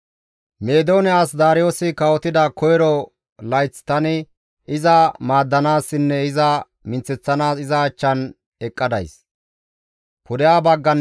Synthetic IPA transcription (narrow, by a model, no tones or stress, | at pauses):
me̞ːd̪o̞ːnɛaːsd̪aːɾɪjo̞ːsɪkɐwɔt̪ɪd̪ɐkʰɔjɾɔ | lɐjt͡sːt̪ɐnɪ | ɪzɐmaːd̪ːɐnaːsːɪnːɛɪzɐ | mɪnt͡sːɛt͡sːɐnaːsɪzɐːt͡ʃːɐn | ɛkʼːɐd̪ɐ̰js | pʊd̪ɪjaːbɐɡːɐn